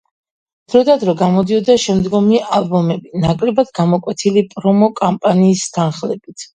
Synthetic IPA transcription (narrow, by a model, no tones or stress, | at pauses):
d̪̥ɾɔd̪ad̪ɾɔɡamɔd̪iɔd̪aʃɛmd̪ɡɔmiʔalˠbɔmɛbinakʼlɛbad̪ɡamɔkʼwɛt̪ʰilipʼɾɔmɔkʼampʼaniːst̪ʰanχlɛb̥it̪ʰ